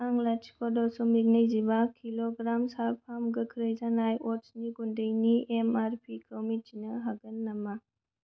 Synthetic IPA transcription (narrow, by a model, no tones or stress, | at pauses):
aŋlat͡ʃkʰɔdɔsumit̚nɐjzibakʰiloɡɾamsalpʰamɡɐkʰɾɐjzanajɔtsniɡundɐjniemaɾpʰikʰowmit͡ʃinɐɦaɡɐnːɐma